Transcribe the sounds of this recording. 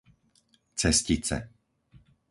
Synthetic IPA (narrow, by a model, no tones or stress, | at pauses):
t͡sɛscit͡sɛ̰